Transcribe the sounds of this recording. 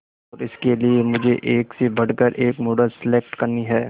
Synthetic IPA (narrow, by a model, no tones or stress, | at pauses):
ɔːɾɪskeliemʊd͡ʒʱeʔeːksebʱɐɽ̤kəɾʔeːkmoːɖəlsɪleːk̚ʈkɐɾniɦɛː